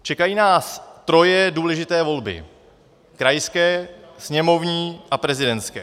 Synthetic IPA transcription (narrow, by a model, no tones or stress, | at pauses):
t͡ʃɛkajiːnaːst̪ɾo̞jɛduːlɛʒɪt̪ɛːvo̞lbɪ̰ | kɾajskɛːsɲɛmo̞vɲiːʔapɾɛzɪdɛnt̪skɛː